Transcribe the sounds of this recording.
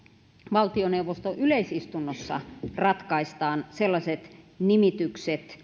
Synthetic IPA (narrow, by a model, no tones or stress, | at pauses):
ʋɑlt̪ioneuwʋost̪oʔyleisist̪unːosːɑ̰rɑt̪kɑist̪ɑːnselːɑsʲet̪ | nimit̪ykset̪